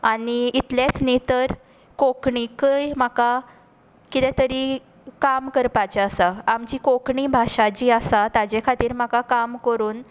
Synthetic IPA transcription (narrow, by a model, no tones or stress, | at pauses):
aniit̪let͡snit̪əɾ | kokɳikəjmaka | kit̪ɛ̃t̪əɾi | kamkəɾpat͡ɕeasaamt͡ɕiːkokɳiːbʱaʂat͡ɕiːasat̪ad͡ʑekʰat̪iːɾm̤akakamkəɾuːn